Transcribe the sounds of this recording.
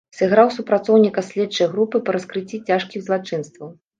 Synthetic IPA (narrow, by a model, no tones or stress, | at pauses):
sʲɨɣɾawsupɾat̪sɔwnʲikɐsʲlʲɛtt͡ʂɐjɣɾupɨpɐɾɐskɾɨt͡sʲːit͡sʲaʂkʲiɣzlˠat͡ʂɨnst̪vɐw